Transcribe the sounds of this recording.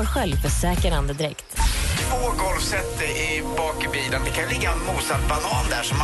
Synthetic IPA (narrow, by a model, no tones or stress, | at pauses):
ɔɾɧɛlvfəsɛːkəɾand̪əd̪ɪɾɛkt̪t̪ʰv̥oːɡɔlfsɛt̪ːəɾɪbɑːkɪbiːlənd̪ɛkʰanjlɪɡːaɛnmuːsaɾbanɑːnd̪æːʂɔm